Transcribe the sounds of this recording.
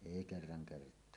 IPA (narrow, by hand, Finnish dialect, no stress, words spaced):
eˑi kerːɑŋ kertˑoɑ